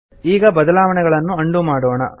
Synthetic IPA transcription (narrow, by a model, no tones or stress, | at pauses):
iːɡɐbɐd̪ɐlaːʋɐɳɛɡɐɭɐnːuɐɳɖumaːɽoːɳɐ̰